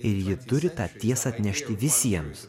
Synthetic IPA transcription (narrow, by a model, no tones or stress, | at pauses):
ɪɾjɪt̪ʊɾʲɪt̪ɑːt̪ʲiɛsɐɐt̪ʲnʲɛʃʲt̪ʲɪʋʲɪsʲiɛms